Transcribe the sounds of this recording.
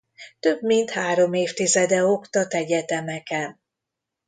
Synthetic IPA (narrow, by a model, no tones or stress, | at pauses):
t̪ø̞bmint̪haːɾo̞meːft̪izɛd̪ɛokt̪ɒt̪ɛɟɛt̪ɛmɛkɛn